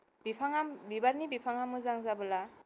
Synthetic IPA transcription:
bipʰaŋabibaɾnibipʰaŋamuzaŋzabɯla

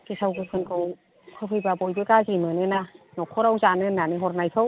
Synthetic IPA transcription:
kesʰawɡɯkʰɯnkɯw | tʰawpʰɯjbabɔjbɯkazimɯnɯnanɔkʰɔɾawzanɯnːanɯɦɔɾnajtʰɯw

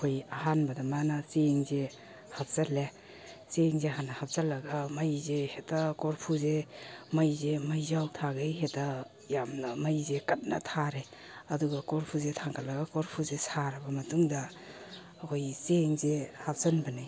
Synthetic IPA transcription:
kʰojaɦanbɐdamanaseŋze | hap̚sale | seŋzeɦanːɐhap̚salːɐɡamajzehetakoɾpʰuzemajzemajzawtʰaɡejheta | jamnɐmajzekɐt̚nɐ̰tʰaɾe | ɐduɡɐkoɾpʰuzetʰaŋkʰalɐɡakoɾpʰuzesaɾɐbɐmɐtuŋdɐː | kʰojseŋzehap̚sanbɐnaj

